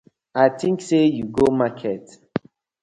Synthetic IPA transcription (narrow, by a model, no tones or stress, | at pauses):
aɪtʰĩŋksejuɡomakʰɛt